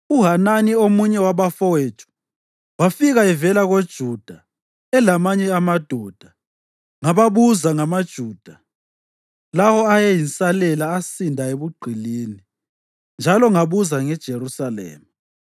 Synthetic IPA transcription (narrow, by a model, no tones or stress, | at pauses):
uɦananiomuɲɛwaβafɔwetʰʼu̥ | wafiɣaɛvɛlaɣod̥ʒ̥ʱud̥ʱa | ɛlamaɲɛamad̥ʱɔd̥ʱa | ŋaβaβuzaŋamad̥ʒ̥ʱuːd̥ʱa | lawɔajɛjinsʼalɛlaːsindʱaeβuɡ͡ǃʱiliːni | nd͡ʒʱalɔŋaβuzaŋɛd̥ʒ̥ʱerusalɛ̰ːma